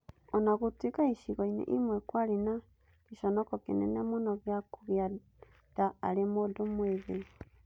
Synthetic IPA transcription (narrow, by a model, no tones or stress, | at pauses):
ɔnaɣutwikaiʃiɣɔinḛʔimwɛkwaɾena | keʃɔnɔkɔkenɛnɛmonɔɣeakuɣja | daːɾemoːdomweðe